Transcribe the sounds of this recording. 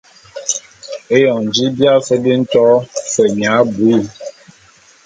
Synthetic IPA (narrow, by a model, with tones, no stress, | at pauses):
e˦jɔ˨n˨d͡ʒi˦bja˦fə˦bi˦n̩˦tɔ˦fə˨ɲa˨˦bu˨˦i˦˨